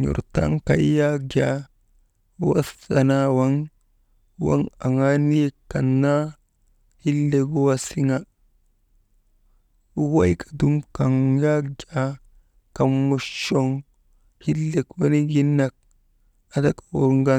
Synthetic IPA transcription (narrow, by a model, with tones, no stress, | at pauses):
ɲṵ˨ɾta̰˦ŋka˨˦ja˦ɡʲa˨˦ | wa̰˦sa˨na˦wa˦ŋ | wa̰˦ŋa˨ŋa˦ni˦e˦kːa˨nːa˦ | hi˦lːe˨kwa˦si˦ŋa˦ | wa˦jkʰḁ˨du˦mka˨ŋja˦ɡʲa˦ | ka˨mːo˨ʃo˦ŋ | hi˦lːe˨kwa˦ni˦ɡi˦nːa˨k̚ | a˨da˦kḁ˨o̰˨ɾŋɡa˦